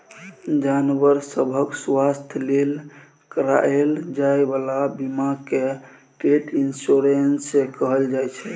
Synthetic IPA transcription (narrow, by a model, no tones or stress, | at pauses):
d͡ʒanʋəɾsəbʱəkswast̪ʰəlel | kəɾa̰eld͡ʒaebalabimake | ʈeʈinsoɾensẽkəɦəld͡ʒajt͡ʃʰɛ